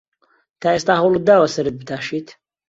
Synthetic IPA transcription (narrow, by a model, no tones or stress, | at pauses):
t̪ʰaːeːst̪aːɦɐwlˠɨd̪aːwɐsɐɾɨt̪̚bɨt̪ʰaːʃiːt̪ʰ